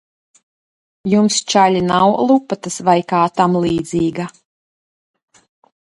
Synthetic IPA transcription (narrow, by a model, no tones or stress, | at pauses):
jumst͡ʃalʲinawlˠupːat̪asvajkaːt̪amlˠiːd̪ziːɡa